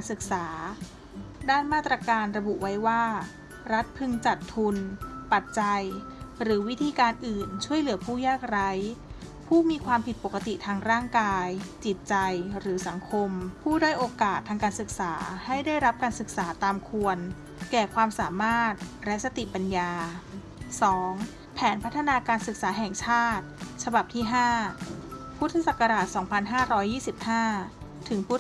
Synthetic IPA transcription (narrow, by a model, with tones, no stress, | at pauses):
nsɯ˨˩k̚saː˩˦ | daː˥˩nmaː˥˩t̪ːɾaː˧kaː˧nɾa˧bu˨˩ʔwa˦˥jwaː˥˩ | ɾa˦˥t̪̚pʰɯ˧ŋt͡ɕa˨˩t̪ʰːu˧npa˨˩t̪̚t͡ɕa˧jɾɯː˩˦wi˦˥t̪ʰiː˧kaː˧nʔɯː˨˩nt͡ɕʰu˥˩əjlɯ˩˦ɐpʰuː˥˩jaː˥˩k̚ɾa˦˥j | pʰuː˥˩miː˧kʰwaː˧mpʰi˨˩t̪̚po˨˩ka˧t̪i˨˩t̪ʰaː˧ŋɾaː˥˩ŋkaː˧jt͡ɕi˨˩t̪̚t͡ɕa˧jɾɯː˩˦sa˩˦ŋkʰo˧mpʰuː˥˩daː˥˩jʔoː˧kaː˨˩t̪ʰːaː˧ŋkaː˧nsɯ˨˩k̚saː˩˦ha˥˩jdaː˥˩jɾa˦˥p̚kaː˧nsɯ˨˩k̚saː˩˦t̪aː˧mkʰu˧ən | kɛː˨˩kʰwaː˧msaː˩˦maː˥˩t̪̚lɛ˦˥sa˧t̪i˨˩pa˧njaː˧ | sɔː˩˦ŋ | pʰɛː˩˦npʰa˦˥t̪ʰːa˧naː˧kaː˧nsɯ˨˩k̚saː˩˦ɦɛ˨˩ŋt͡ɕʰaː˥˩t̪̚t͡ɕʰa˧ba˨˩p̚t̪ʰiː˥˩ɦaː˥˩ | pʰu˦˥t̪ʰːa˧sa˨˩kːa˧ɾaː˨˩t̪̚sɔː˩˦ŋpʰa˧nɦaː˥˩ɾɔː˦˥jːiː˥˩si˨˩p̚haː˥˩ | t̪ʰɯ˩˦ŋpʰu˦˥